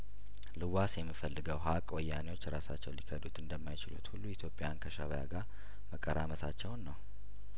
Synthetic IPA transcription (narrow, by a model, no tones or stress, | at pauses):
lɨwasjɛmːifəlːɨɡəwɦakʼwɔjːanewo̞t͡ʃːɾasa̰t͡ʃːɛwlikʰəd̪ut̪ɨnd̪əmːajɪt͡ʃɪlut̪hulːuit̪ʰjo̞pʼːejankʰəʃaβəja̰ɡaɾ | məkʼːəɾa̰mət̪ʰat͡ʃːɛwnːəw